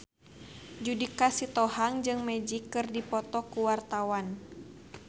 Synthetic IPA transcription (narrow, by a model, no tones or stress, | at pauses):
d͡ʒudikasit̪ɔhaŋd͡ʒɨŋmɛd͡ʒikːɨrdipɔt̪ɔkuwart̪awan